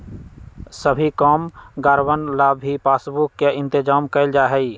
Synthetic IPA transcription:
səbʱikɔːmɡaːɾbənlaːbʱipaːsbukːeɪ̃nt̪ɪd͡ʒaːmkəɪld͡ʒaːɦɛi

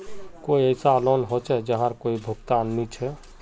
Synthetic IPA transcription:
koiəɪsalɔnɦot͡ʃʰɛd͡ʒəɦãɾkoibʱʊkt̪anːit͡ʃʰɛ

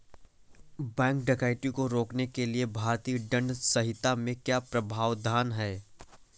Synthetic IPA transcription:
bɛ̃ːŋk̚ɖekaːɪʈikoɾoːknekeliebʱaːɾt̪iːɖɐ̃ɳɖsɐɦɪt̪amẽkjaːpɾɐbʱaːʋd̪ʱaːnɦɛː

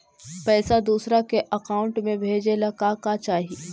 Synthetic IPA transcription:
pɛːsad̪uːsɾakeʔɐkaːʊ̃ɳʈmẽbʱeːd͡ʒelakakat͡ʃaːɦi

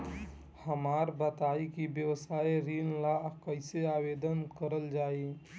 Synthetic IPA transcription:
həmaːɾbət̪aːikibjəwsaːiɾinlakəɪseabed̪ənkəɾəld͡ʒaːi

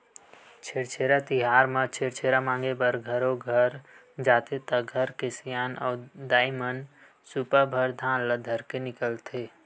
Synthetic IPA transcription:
t͡ʃʰeːɽt͡ʃʰeːɾat̪ɪɦaːɾmə̃t͡ʃʰeːɽt͡ʃʰeːɾamãːŋɡebəɾɡʱəɾoɡʱəɾ | d͡ʒaːt̪et̪əɡʱəɾkɪsijaːnɔːd̪aːɪmən | supəbʱəɾd̪ʱãːnləd̪ʱəɾkenɪkəlt̪ʰeː

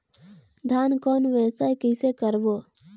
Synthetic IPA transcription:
d̪ʱaːnkɔːnʋɛsaːjkɪsekəɾboː

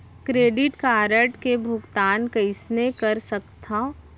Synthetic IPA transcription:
kɾeːɖɪʈkaːɾəʈkebʱʊɡt̪aːnkɐɪsnekɐɾsɐkt̪ʰã

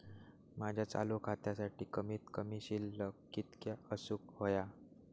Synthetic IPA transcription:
mad͡ʑʱjat͡sa̰lukʰat̪asaʈiːkəmiːt̪kəmiːɕilːə | it̪kjaəsuːk̚ɦoja

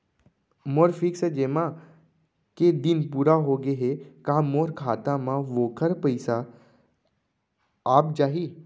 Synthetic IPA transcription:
moːɾfʰɪksd͡ʒeːmã | ked̪ɪnpuːɾaɦoɡeɦekãːmoːɾkʰaːt̪ãmãʋoːkʰəɾpəɪsa | p̚d͡ʒaːɦiː

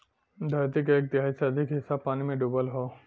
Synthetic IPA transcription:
d̪ʱajt̪ikeːk̚t̪ɪɦajseəd̪ʱɪkɦɪsabpːaːnimẽɖubəlɦo

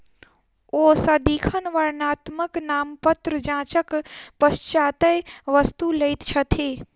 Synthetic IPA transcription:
oːsad̪iːkʰənʋɐɾnaːt̪məknaːmpət̪ɾəd͡ʒãːt͡ʃəkpɐst͡ʃaːt̪əjʋɐst̪uləit̪t͡ʃʰɐt̪ʰeː

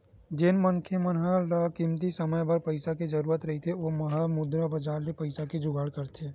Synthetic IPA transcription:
d͡ʒɪnmənkʰemənɦalakimt̪isɐməjbɐɾpɐɪsakid͡ʒɐɾuːɾət̪ɾɐɦit̪ʰeʋomɐɦamʊd̪ɾabɐd͡ʒaːɾnepɐɪsaked͡ʒʊɡʱaːɽkɐɾt̪ʰeː

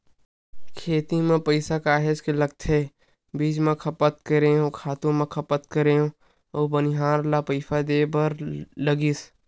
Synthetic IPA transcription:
kʰeːt̪imẽpəɪsakaːɦed͡ʒkeləɡ̚t̪ʰɦe | biːd͡ʒmẽkʰɐpət̪̚kəɾeɦõkʰaːt̪õmẽkʰəpət̪kəɾeɦõ | oːbənɪɦaːɾlapəɪfʰad̪eːbəɾləɡiːs

